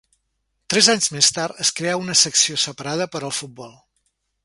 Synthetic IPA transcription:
t̪ɾɛzaɲzmest̪aɾt̪əskɾeaunəsəksiosəpəɾað̞əpəɾəlˠfut̪̚bɔlˠ

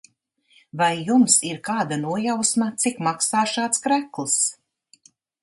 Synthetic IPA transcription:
vajːumsiɾkaːd̪anuɔjawsmat̪sikmaksaːʃaːt̪skɾæklˠs

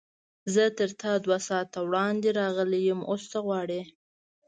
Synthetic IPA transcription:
zət̪əɾt̪ɑd̪wasɑt̪awɽɑnd̪eɾɑɣəlejəmʔost͡saɣwɑɽe

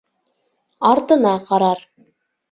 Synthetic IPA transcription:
ɑɾt̪ɤ̆nɑqɑɾɑɾ

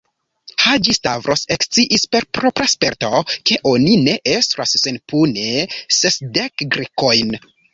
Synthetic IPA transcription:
had͡ʒistavɾʔosekst͡siʔispe̞ɾpɾo̞pɾaspe̞ɾtoke̞ʔo̞nine̞ʔestɾasːenpʰunesesdekɡɾiko̞jn

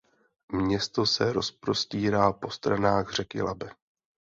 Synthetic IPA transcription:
mɲɛst̪o̞sɛɾo̞spɾo̞sciːɾaːpo̞st̪ɾanaːɣr̝ɛkɪ̰labɛ

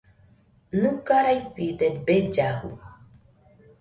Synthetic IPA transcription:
nukaɾajpid̪enbed͡ʒahṵ

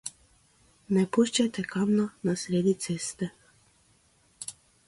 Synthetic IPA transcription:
nɛpuʃt͡ʃat̪ɛkamnanasɾeːd̪it̪sest̪ɛ

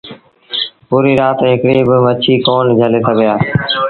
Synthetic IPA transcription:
puːɾiːɾaːt̪ɦɪkɽiːbɪʋət͡ʃʰiːkoːnd͡ʒʱəlesəɡʱɪjaː

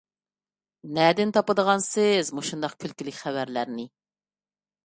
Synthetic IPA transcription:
nɛd̪ɪnt̪ʰɑpəd̪əʁɑnsɪzmuʃund̪ɑqkʲʰylkʲilɪkʲχævæɾlæɾnɪ

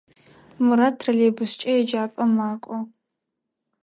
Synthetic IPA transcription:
muɾatʰrɐleːbʊst͡ʃʼɐjɛd͡ʒaːpʼɐmaːkʷʼɔ

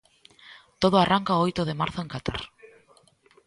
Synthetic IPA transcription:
t̪oð̞oaraŋkaoojt̪oðemaɾθoeŋkat̪a̰ɾ

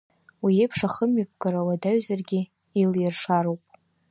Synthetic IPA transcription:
wiejpʰʂaχəmɥapʰʼɡaɾawadaɥzarɡʲɪ | iljɪrʂaɾowpʼ

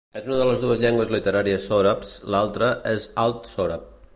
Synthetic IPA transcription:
ɛzunəðələzðuəzʎɛŋɡwəzlit̪əɾaɾiəsoɾapslalˠt̪ɾəʔɛzalˠt̪soɾap̚

